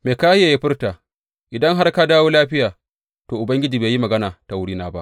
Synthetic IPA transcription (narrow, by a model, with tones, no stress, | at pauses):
meː˨kaː˦jaː˨ji˦ɸɪ˦rtaː˨ | ʔɪ˨dɐ˦ŋɦa˦rkaː˦daː˦woː˦laː˦ɸɪ˦jaː˨ | toː˨ʔʊ˨bɐ˦ŋɡʲɪ˦d͡ʒiː˨beː˨ji˦mɐ˨ɡɐ˦naː˨ta˨wʊ˦ɽiː˦naː˦ba̰˦ʔ